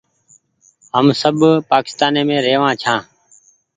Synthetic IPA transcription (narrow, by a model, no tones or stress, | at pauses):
ɦəmsəbpaːkɪ̥st̪aːneːmẽːɾeːʋãːt͡ʃʰãː